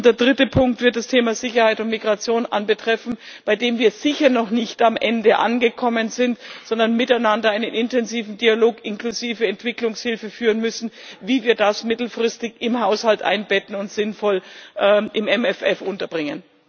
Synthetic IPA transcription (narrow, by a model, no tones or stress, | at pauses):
ʊd̥eːɐdʁɪtəpʰʊŋk̚tv̥ɪɐt̚d̥astʰeːmazɪçɐhaɪtʊntmiɡʁat͡sjoːnʔa̰nbətʁ̥ɛfn̩ | b̥aɪdeːmviːɐz̥ɪçɐnɔχnɪçtamʔɛndəʔa̰nɡəkʰɔmənzɪntz̥ɔndɐnmɪtaɪnandɐaɪnənʔɪntɛnziːvn̩dialoːkʔɪnklʊziːvəɛntv̥ɪklʊŋshɪlfəfyːʁənmʏsn̩viːviːɐdasmɪtl̩fʁ̥ɪstɪçɪmhaʊshaltʔa̰ɪnbɛtn̩ʊntz̥ɪnfɔlʔɛːʔɪmɛmɛfɛfʔʊntɐb̥ʁɪŋən